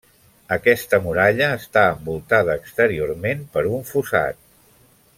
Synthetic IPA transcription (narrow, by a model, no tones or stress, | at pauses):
əkɛst̪əmuɾaʎəːst̪aəmbulˠt̪að̞əːkst̪əɾioɾmempəɾuɱfusa̰t̪̚